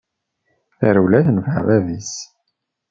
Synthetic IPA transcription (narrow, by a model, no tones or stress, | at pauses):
θæɾulæθnvavæðis